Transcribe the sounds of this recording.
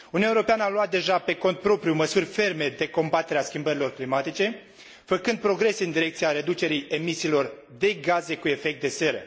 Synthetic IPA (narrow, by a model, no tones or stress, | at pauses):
uniuaeoɾo̞peanəaluat̪̚d̪e̞ʒape̞ko̞nt̪̚pɾo̞pɾjuməsurʲfe̞rme̞d̪e̞ko̞mbat̪e̞ɾeaskʲimbəɾilo̞rklimat̪it͡ʃe̞ | fəkɨnd̪̚pɾo̞ɡɾe̞seɨnd̪iɾe̞k̚t̪siaɾe̞d̪ut͡ʃe̞ɾije̞misiːlo̞r | d̪e̞ɡaze̞kue̞fek̚t̪̚d̪e̞se̞ɾə̰